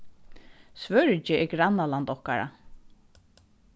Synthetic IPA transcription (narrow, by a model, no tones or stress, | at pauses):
svœɹt͡ʃɪɛɡɾanːalant̪ɔhka̰ɹa̰